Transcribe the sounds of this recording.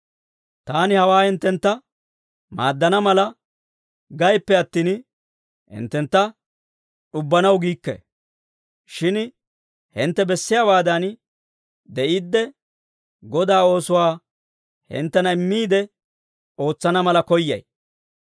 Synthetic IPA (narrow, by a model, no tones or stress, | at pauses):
t̪aːnɪhɐwaːhɪnt̪ːɛnt̪ːɐ | maːd̪ːɐnɐmɐlɐ | ɡɐjpːɛɐt̪ːiːn | hɪ̰nt̪ːɛnt̪ːɐ | ᶑʊbːɐnɐwɡiːkːɛ̰ | ʃɪn | hɪnt̪ːɛbɛsːɪjaːbaːd̪ɐn | d̪ɛʔiːd̪ːɛ | ɡɔd̪aːo̞ːsʊwaː | hɪ̰nt̪ːɛnɐɪmːiːd̪ɛ | o̞ːt͡sːɐnɐmɐlɐkɔjːɐ̰j